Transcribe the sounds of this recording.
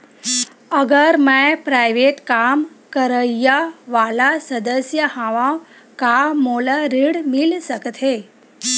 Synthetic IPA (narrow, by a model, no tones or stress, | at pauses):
əɡəɾmãpɾajʋeʈkam | kəɾəjaʋalasəd̪əsjəhãʋã | kamoləɾiɽmilsəkt̪ʰe